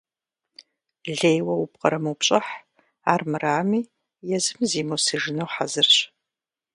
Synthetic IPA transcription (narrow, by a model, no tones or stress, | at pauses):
ɮejwɐup̚qɐ̰ɾɐmɐwpɕʼɐħ | aːrmɨraːmiː | jɛzɨmziːmowsɨʒɪnɐwħazɨrɕ